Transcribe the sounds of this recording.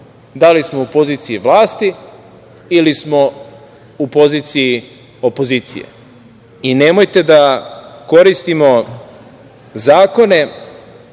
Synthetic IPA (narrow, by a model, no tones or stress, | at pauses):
d̪alismoupo̞ziːt̪siiʋlaːst̪i | ilismo̞ | upo̞ziːt̪sii | o̞po̞ziːt̪sḭjḛ | inemo̞jt̪e̞d̪ako̞ɾist̪imo̞ | zaːko̞ne̞